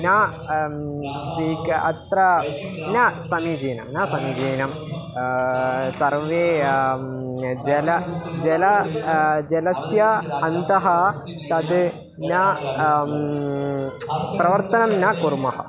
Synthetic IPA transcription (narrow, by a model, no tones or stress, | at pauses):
nɐ | sʋiːkɐ̰t̪rɐ | nɐsɐmid͡ʑeːnɐmnɐsɐmid͡ʑeːnɐm | sɐrʋe | d͡ʑelɐd͡ʑelɐ | d͡ʑelɐsjɐːnd̪ɐɦɐ | t̪ɐd̪ɨ | nɐ | prɐʋɐrt̪ɐnɐmnɐkurmɐɦɐ̰